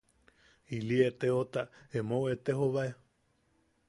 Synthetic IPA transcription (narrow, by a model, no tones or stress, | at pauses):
iliet̪eot̪aemõwet̪eɦoβaʔe